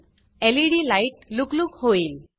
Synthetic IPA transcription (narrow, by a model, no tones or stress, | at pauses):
ɛliɾilajʈ̚luklʊkhojim